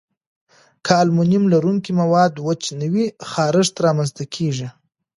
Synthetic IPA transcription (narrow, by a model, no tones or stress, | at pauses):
kʰɑlmʊnɪmlaɾuŋkimawɑd̪wət͡ʃnəwixɑɾɪʐt̪aɾɑmanzt̪akʰeʒi